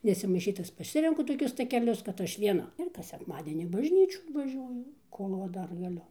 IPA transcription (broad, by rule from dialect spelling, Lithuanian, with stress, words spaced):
nʲɛsʲɪmɐɪˈʃʲiːt ˈtɐs pɐˈsʲɪrʲɛŋkʊ toːˈkʲʊs tɐkʲɛˈlʲʊs kɐt ˈɐʃ ʋʲiɛˈnɐ ɪr ˈkɐs sʲɛkˈmɑːdʲiɛnʲiː ɪn bɐʒʲˈnʲiːt͡ʃʲuː ʋɐˈʒʲuɔjʊ ˈkoːlˠ ʋɐ ˈdɐr ɡɐˈlʲʊ